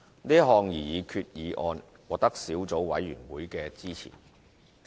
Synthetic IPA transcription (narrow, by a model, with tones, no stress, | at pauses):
niː˥ɦɔː˧ŋjiː˨˩jiː˨˧kʰyː˧t̚jiː˨˧ʔɔː˧n | wɔː˨k̚t̪ɐ˥k̚siː˨˥wt͡so˨˥wwɐ̰˨˥jːyː˨˩nwuː˨˥jkɛː˧t͡siː˥t͡sʰḭː˨˩